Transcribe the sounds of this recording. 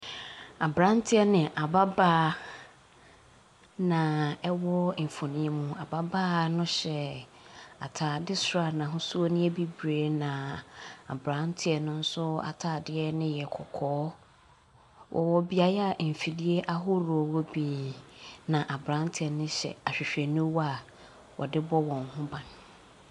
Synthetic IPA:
a˨bɾã˦n˦tʰɪ˦ɛ˦nɪ̃˨ʔa˨ba˦baː˦ | nã˨ɛ˦wɔ˦m̩˨fo˨nĩ˦e˦mũ˦a˨ba˦baː˦nʊ̃˦ɕɛ˨ | a̰˨tʰaː˨dɪ˦sʊ˨ɾa˨nã˨ɦʊ̃˦su˦o˦nɪ̃˦ɛ˦bi˦bɾeː˨˦nã˨a̰˨bɾã˦n˦tʰɪ˦ɛ˨nʊ̃˦n̩˦sʊ˦a̰˨tʰaː˨dɪ˦ɛ˦nɪ̃˦jɛ˨kʰɔ̰˨kʰɔː˦ | wʔɔ̰˨wɔ˦bi˦a˨ja˨m̩˨fi˨li˦e˦ʔa˦ɦʊ˦ɾo˨wo˦bi˨ | nã˨ʔa˨bɾã˨˦n˦tʰɪ˦ɛ˨nʊ̃˦ɕɛ̰˨a˨ɕᶣɪ˨ɕᶣɛ˨nʊ̃˦wa˨ | wʔɔ̰˨dɪ˦bɔ˦wɔ̃˨ŋhʊ̃˦bã˨n

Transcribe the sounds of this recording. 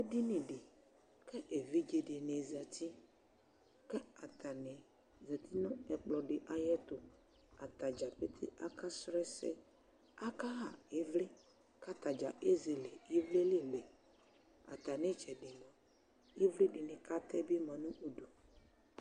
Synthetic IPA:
e˦dɪ˦nɪ̃˨ɖɪ˨ | kɛ˦ʔe˨vi˦d͡ʒe˨dɪ˨ne˨zɛ˨t̪ʰi˦ | kɛ˦a˨t̪a˨nɪ˨ | zɛ˨t̪ʰi˦nɔ̃˦ɛ˨k͡plɔ˨ɖɪ˨ʔa˨jɛ˦t̪ʊ˨ | a˨t̪a˨d͡ʒa˨pe˦t̪ʰɪ̰˦a˦kʰa˦sɾɛ˦sɛ̰˦ | a˦ka˦ɦa˨e˦vlɪ˦ | ka˦t̪a˨d͡ʒa˨ʔe˦ze˨le˨e˦vle˦lɪ˦lɛ˨ | a̰˨t̪a˨nɪ̃˦t͡ʃɛ˨ɖɪ˨mã˨ | e˦vli˦ɖɪ˨nɪ̃˨ka˦t̪ʰɛ˦bɪ˦mã˨nʊ̃˦ʔo˨du˨

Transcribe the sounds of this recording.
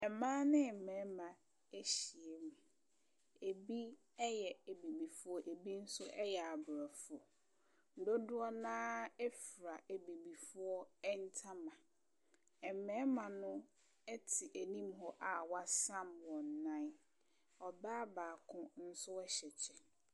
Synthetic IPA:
ɛ˨mãː˦nɪ̃˦˨m̩˨mɛ̃˨˦mã˨ | e˦ɕi˨e˨mũ˨ | e˨bi˦ | ɛ˦jɛ˨e˨bi˨bi˨fʊ˦ɔ˦ʔe˨bi˦n̩˦sʊ˦ʔɛ˦jɛ˨a˨bɾa˨fʊ˨ɔ˨ | n̩˦do˦dʊ˦ɔ˦nãː˦ɛ˦fɾa˨ʔe˨bi˨bi˨fʊ˦ɔ˦ɛ˦n̩˦tʰã˦mã˨ | ɛ˨m˨mɛ̃˦mã˨nʊ̃˦ | ɛ˦tʰɪ˨ʔe˨nĩ˦mɦɔ˦ʔa˨wa˦sã˦mwɔ̃˨n˨nã˦n | ɔ˨baː˦baː˨kʰʊ̃˦n̩˦sʊ˦ɛ˦ɕɛ˨t͡ɕʰɛ˨

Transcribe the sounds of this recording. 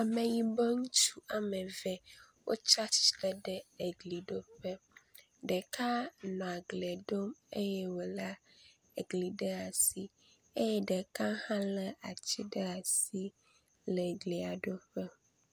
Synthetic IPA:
a˨mẽ˨ɲĩ˨be˦ŋũ˦t͡ʃu˦a˨mɛ̃˨vɛ˦ | wʔo̰˦t͡ʃa˦t͡ʃɖɛ˦ɖɛ˦e˨ɡli˨ɖo˦ɸɛ˦ | ɖɛ˨ka˦nɔ̃˨a˨ɡle˨ɖo˦mḛ˦jɛ˦wo˨la˦ | e˨ɡli˨ɖɛ˦a˨si˦ | e˦jɛ˦ɖɛ˨kã˦hã˦lɛ˨a˨t͡ɕi˦ɖə˦a˨si˦ | lɛ˨ɡli˨a˨ɖo˦ɸɛ˦

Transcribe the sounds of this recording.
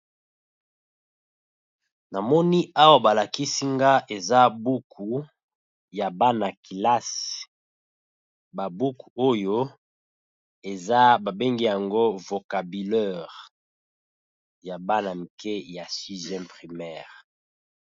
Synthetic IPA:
na˨mɔ˦ni˦a˦wa˨ba˨la˨ki˦si˦ŋɡa˦ʔe˨za˦bu˦kʰu˨ | ja˨ba˦na˨ki˨la˦s | ba˨bu˦ku˨o˦jo˦ | e˨za˦ba˨be˦ŋɡi˦ja˨ŋɡo˦vo˨ka˨bi˨lɛ˦˨ʁ | ja˨ba˦na˨mi˨kɛ˦ja˨si˦zɛ̃˦pʁi˨mɛː˦˨ʁ

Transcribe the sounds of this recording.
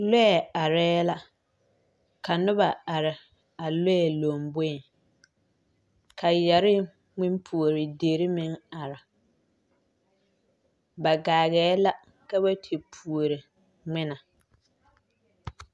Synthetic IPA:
lʊ˦ɛ˨a˨ɾɛː˦la˦ | ka˨nʊ˦ba˨a˨ɾɪ˨ | a˨lo˦ɛ˨lo˨mbo˦˨ | kʰa˨jɛ˨ɾɪ˦ | ŋɪ˦mpʰu˨o˨ɾɪ˨deː˨ɾɪ˦mɪ˦ŋa˨ɾa˨ | ba˨ɡaː˨ɣɛː˨˦la˦ | ka˦βa˦tʰe˨pʰu˨o˨ɾɪ˨ | ŋ͡mɪ˦na˨

